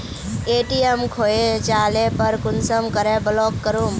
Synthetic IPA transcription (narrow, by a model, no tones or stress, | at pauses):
eʈiemkʰoed͡ʒalepəɾkunsəmkəɾeblɔkːəɾum